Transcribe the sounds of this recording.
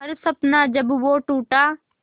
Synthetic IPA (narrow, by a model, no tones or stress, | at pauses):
ɐɾsəpnaːd͡ʒəbʋoːʈuːʈaː